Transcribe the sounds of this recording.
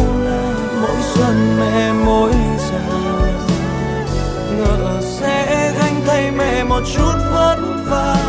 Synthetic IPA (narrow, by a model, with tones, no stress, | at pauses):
mo̰˧˥jsə˧˩nmɛ̰˧˨mo˧˦jsɛ̰˧˥˧ | t͡ɕə˨˩˨sɛ̰˧˥ɣa˧jŋ̟t̪ʰə˧jmɛ̰˧˩mo˨˩t̚t͡ɕu˦˥t̚və˦˥t̚ | vaː˨˩